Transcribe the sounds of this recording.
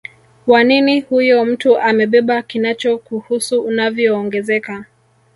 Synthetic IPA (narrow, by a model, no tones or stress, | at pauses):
kwaninihujɔm̩tuʔamɛɓɛɓakinat͡ʃɔkuhusuːnavjɔːŋɡɛzɛka